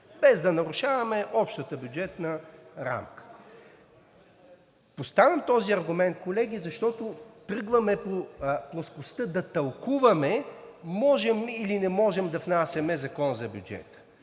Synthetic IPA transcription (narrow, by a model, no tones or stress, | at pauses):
bɛzd̪ɐnɐɾuʃavɐmɛʔɔpʃt̪ət̪əbjud͡ʒɛt̪nəɾa̰mkə̥ | post̪avʲɐmt̪ɔziɐɾɡumɛnt̪̚kolɛɡʲizɐʃt̪ɔt̪ʊt̪ɾɤɡvɐmɛpoplˠoskʊst̪əd̪ɐt̪ɐlˠkuvɐmɛmɔʒɛmilinɛmɔʒɛmd̪ɐfnasʲɐmɛzɐkɔnzɐbʲjud͡ʒɛ̰t̪ə̥